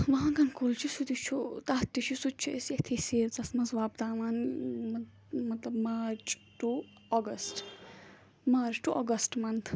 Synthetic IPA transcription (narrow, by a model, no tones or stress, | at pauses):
ʋɐɦãkɐnkolt͡ʃʰisud̪it͡ʃʰut̪aːt̪ːit͡ʃʰusut̪̚t͡ʃʰueset̪ʰisiːɾt͡sɐsmɐzʋaːbd̪aːʋanɐ | mɐt̪lɐbmaːɾt͡ʃʈu | ɔɡɐsʈ | maːɾt͡ʃʈuʔɔɡɐsʈmɐnt̪ʰ